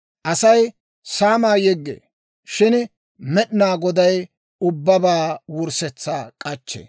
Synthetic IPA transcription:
ʔɐsɐj | saːmaːjɛɡːḛː | ʃɪn | mɛɗɪnaːɡɔd̪ɐj | ʊbːɐbaːwʊɾsɛt͡sːaːkʼɐt͡ʃːḛː

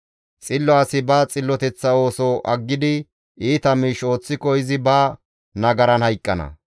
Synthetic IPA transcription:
t͡sʼɪlːɔaːsɪbɐːt͡sʼɪlːɔt̪ɛt͡sːɐo̞ːsɔʔɐɡːɪd̪ɪ | iːt̪ɐmiːʃo̞ːt͡sːɪkɔɪzɪbaː | nɐɡɐɾɐnhɐjkʼːɐnɐ̰

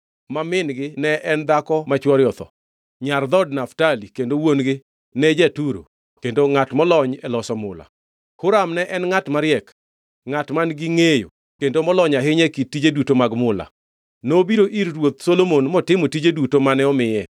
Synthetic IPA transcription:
mamɪnɡɪnɛʔɛnd̪akɔmat͡ʃwɔɾjɔt̪ɔ̰ | ɲard̪ɔd̚naftalikendowonɡɪ | nɛd͡ʒɛtuɾo̰ | kendoŋatmɔlɔɲɛlɔsɔmʊla̰ | kʊɾamnɛʔɛnŋatmaɾjɛk | ŋatmanɡɪŋejo̰ | kendomɔlɔɲaɦɪɲɛkitːid͡ʒedutomaɡmʊla̰ | nobiɾoʔiɾɾwot̪solomonmɔtɪmotid͡ʒedutomanɛɔmɪjɛ

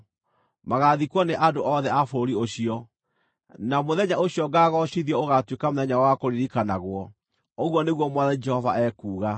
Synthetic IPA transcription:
maɣaðikwɔneʔadoʔɔðɛafoɾioɕiɔ | namoðɛɲaoɕjɔɡaːɣɔɕiðiɔoɣatwekamoðɛɲawakoɾiɾikanaɣwɔ | oɣwɔneɣwɔmwɔðɛd͡ʒɛhɔva̰ɛkuːɣa

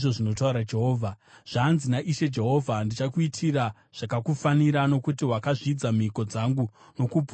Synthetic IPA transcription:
ʐo̞ʐino̞tauɾad͡ʒe̞ɦoːvʱaʐ̥anzinaʔiʃe̞d͡ʒe̞ɦo̞vʱandit͡ʃakuitʰira | ʐ̥akakufaniɾano̞kutiwakaʐid͡zamiko̞d͡zaŋɡu | no̞kup

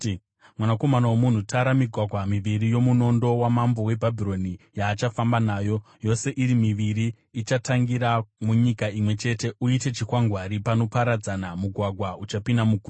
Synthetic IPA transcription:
mwanako̞manawomun̤utʰaɾamiɡʱwaɡʱwamiʋiɾijo̞muno̞ndo̞wamambo̞we̞bʱabʱiro̞nijaːt͡ʃafambanaːjo̞ | jo̞se̞ʔiɾimiʋiɾiː | t͡ʃataŋɡiɾamuɲikaimwe̞t͡ʃe̞te̞ʔuite̞t͡ʃikwaŋɡwaɾipano̞paɾad͡zanamuɡʱwaɡʱwaut͡ʃapinamukuː

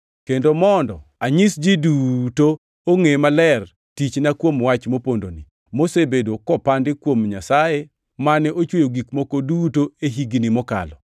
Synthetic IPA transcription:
kendomɔndɔ̰aɲisd͡ʒiduto | oŋemalɛr | tit͡ʃnakwomwat͡ʃmopondoni | mosebedokɔpandɪkwomɲasaje | manɛʔot͡ʃwojoɡikmokodutoeɦiɡnimɔka̰lɔ

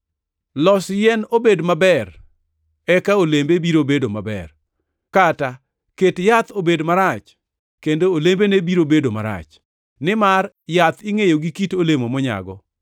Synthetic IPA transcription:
lɔsjɛnobedmabɛr | ɛkaolembebiɾobedomabɛ̰r | kata | ketjat̪obedmaɾat͡ʃ | kendoːlembenebiɾobedoma̰ɾa̰t͡ʃ | nɪmar | jat̪iŋejoɡikitolemomɔɲa̰ɡɔ̰

